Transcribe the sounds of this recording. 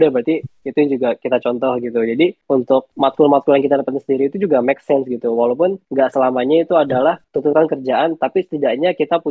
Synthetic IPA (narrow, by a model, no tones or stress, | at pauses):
dahbɾat̪iit̪ujand͡ʒuɡakit̪at͡ʃɔnt̪ɔhɡit̪ud͡ʒadiunt̪ʊk̚mat̪̚kʊlmat̪̚kulanŋkit̪adapat̪̚səndiɾiːt̪ud͡ʒuɡamɛksɛnsɡit̪uwalawpʊnŋɡaʔsəlamaɲait̪uadalaht̪unt̪uɾankərd͡ʒaʔant̪apisə̥t̪idaʔɲakit̪apu